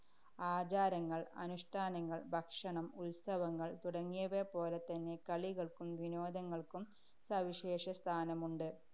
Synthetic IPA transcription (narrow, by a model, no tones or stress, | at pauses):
aːd͡ʑaːɾɐŋːɐɭɐ̰nuʂʈʰaːnɐŋːɐɭbʱɐkʂɐɳɐmulsɐʋɐŋːɐɭt̪uɽɐŋːijɐʋepo̞ːlet̪ɐnːe̞kɐɭiɣɐɭkumʋino̞ːd̪ʱɐŋːɐɭkum | sɐʋiɕeːʂɐst̪ʰaːnɐmuɳɖɨ